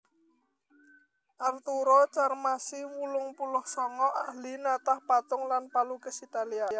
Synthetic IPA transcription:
ʔart̪uɾɔt͡ʃarmasiwulʊŋpulʊhsɔŋɔʔahlinat̪ahpat̪ʊŋlanpalukəsit̪aliaa

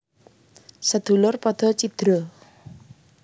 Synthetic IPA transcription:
səd̪̥ṳlʊrpɔd̪̥ɔ̤t͡ʃid̪̥ɾɔ

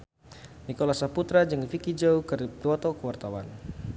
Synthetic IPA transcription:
nikolasaput̪ɾad͡ʒɨŋfikid͡ʒaukər̚diwɔt̪ɔkəwart̪awa̰n

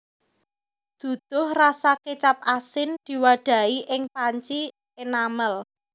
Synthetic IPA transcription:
d̪̥ṳd̪̥ʊhrasaket͡ʃap̚asɪnd̪̥i̤waɖ̪̥a̤iʔɪŋpaɲt͡ʃi | enaməl

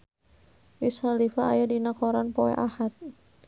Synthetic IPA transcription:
wishalifaajadinakɔɾanpɔɛ̰ʔahat̪̚

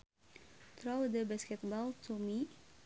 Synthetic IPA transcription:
t̪ɾɔwd̪əbaskɛt̪̚bɔlt̪omi

